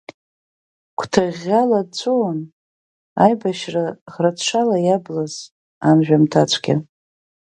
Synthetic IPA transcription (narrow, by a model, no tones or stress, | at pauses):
kʷʰtʰaʁʲalat͡sʷʰʼoːn | ajbaʃraʁratʰʂʷalajablaz̥ | anʒᶣamtʰat͡ʃʷʰʼɡʲɪ̰